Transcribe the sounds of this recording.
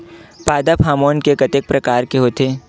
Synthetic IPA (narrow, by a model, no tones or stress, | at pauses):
paːd̪apʰaːmoːnkekɐt̪ek̚pɾɐkaːɾkeɦoːt̪eː